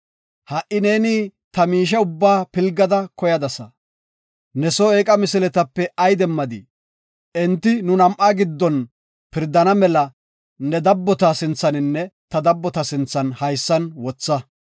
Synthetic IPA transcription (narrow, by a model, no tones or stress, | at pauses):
hɐʔɪne̞ːniːt̪ɐmiːʃ̬ɛʊbːaːpɪlɡɐd̪ɐkɔjɐd̪ɐsɐ | nɛsɔeːkʼɐmɪsɪlɛt̪ɐpːɛɐjd̪ɛmːɐd̪ɪ | ɛnt̪ːɪnʊnɐmʔaːɡɪd̪ːɔn | pɪɾd̪ɐnɐmɛlɐ | nɛd̪ɐbːɔt̪asɪnt͡sːɐnɪnːɛt̪ɐd̪ɐbːɔt̪ɐsɪnt͡sːɐnhɐjsːɐnwɔt͡sːɐ